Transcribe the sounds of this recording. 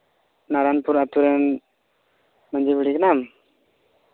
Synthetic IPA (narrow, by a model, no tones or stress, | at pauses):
naɾanpuɾat̪uɾɛn | mand͡ʒikuɽikənam